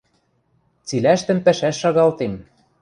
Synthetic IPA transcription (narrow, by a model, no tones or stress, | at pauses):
t͡silæʃt̪ɘ̆mpæʃæʃːɑɣɑlt̪em